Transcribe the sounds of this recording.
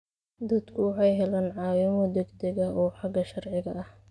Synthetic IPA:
d̪ɐd̪kʰʊwɑħɑjɦɛlaːnʕɑːwɪmɔd̪ɛɡd̪ɛɣɐɔːħɑɡɐʃɐrʕɪɣɐɐh

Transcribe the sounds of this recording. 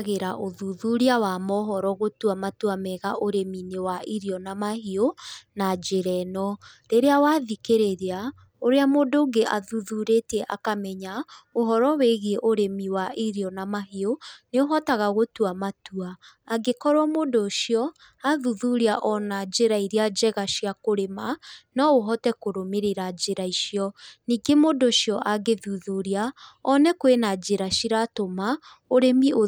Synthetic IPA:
ɣeɾaʔoðuðuɾiawamɔɦɔɾɔɣotuamatuamɛɣaʔoɾeminewaʔiɾiɔnamaɦionad͡ʒeɾɛnɔɾeɾeawaðikeɾeɾea | oɾeamoːndoːŋɡeʔaðuðuɾetɛʔa̰kamɛɲaoɦɔɾɔweɣieʔoɾemiwaʔiɾiɔnamaɦioneoɦɔtaɣaɣotuamatuaː | ɡekɔɾwɔmodoʃiɔ | aðuðuɾiaʔɔnad͡ʒeɾaiɾiad͡ʑɛɣaʃiakoɾemanɔoɦɔtɛkoɾomeɾeɾad͡ʒeɾaiʃiɔniːɡemodoʃjɔʔaɡeðuðuɾiaɔnɛkwenad͡ʒeɾaʃiɾatoma | oɾemio

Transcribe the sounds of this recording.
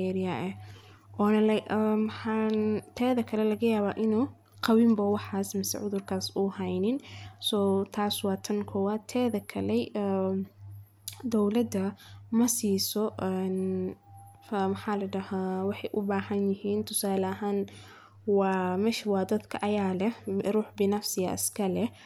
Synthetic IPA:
ɛːɾɪjɐʔɛ | ʔɔːnɐlɐmħant̪ʰɛːðɐkʰɐlɛlɐɣɐjaːβaːʔɪnuː | qɑwɪmbɐwɑħɑːsmɪsɛ̰ʕʊðʊrkʰaːsuːhɛjnɪnsɔːt̪ʰaːswɑːt̪ʰɐnkʰɔwaːt̪ʰɛːðɐkʰɐlɛ | d̪ɔwlɐd̪ɐmɐsiːsɔʔɛn | mɐħaːlɐjdɐhawɑħɑjʔʊbaːhɐnjɪhiːnt̪ʰʊsaːlɐɦaːn | wɑːmɛːʃɐwɑːd̪ɐd̪kʰɐʔɐjaːlɛruːħbɪnafsɪjɐʔɪ̰skʰɐlɛ

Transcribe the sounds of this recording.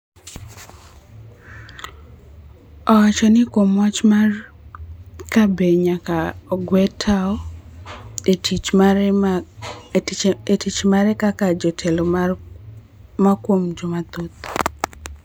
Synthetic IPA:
ɔwat͡ʃɔnɪkomat͡ʃma | kabeɲakaɡwɛtʰaɔ | etit͡ʃmaɾɛkakad͡ʒɔtʰɛlo | makwomd͡ʒɔmat̪ot̪o̥

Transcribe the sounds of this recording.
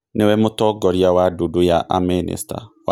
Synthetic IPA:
newɛmotɔɡɔɾjawadudujaʔa̰minḭsta̰w

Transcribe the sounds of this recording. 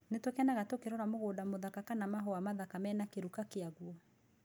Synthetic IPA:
netwekɛnaɣatokeɾɔɾamoɣoːdamoðakakanamaɦɔamaðakamɛnakeɾukakeaɣwɔ

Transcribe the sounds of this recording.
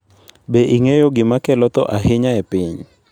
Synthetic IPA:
beʔiŋejoɡɪmakɛlɔt̪ɔ̰ʔaɦɪɲaepɪɲ

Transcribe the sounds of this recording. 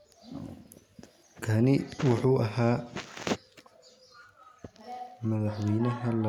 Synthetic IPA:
kʰɐnɪwɑħuːʔɐɦaː | mɐðɑħwɛjnɐɦɐlɐ

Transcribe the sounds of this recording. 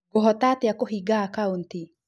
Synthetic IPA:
oɦɔtateakoɦiɡaːkaunti

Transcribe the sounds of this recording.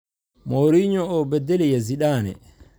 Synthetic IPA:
moɾiːɲɔɔbɛdːɛlɛjaziɗaːnɛ̰

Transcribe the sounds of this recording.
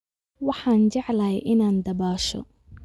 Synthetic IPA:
wɑħɑːnd͡ʒɑʕlɐːjʔɪnaːnd̪ɐbaːʃɔ̰

